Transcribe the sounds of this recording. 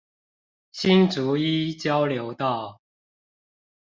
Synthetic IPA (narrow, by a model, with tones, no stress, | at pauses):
ɕi˦nt͡su˨˦i˦t͡ɕjɑ˦ʊljo˨˦ʊt̪ɑ˥˨ʊ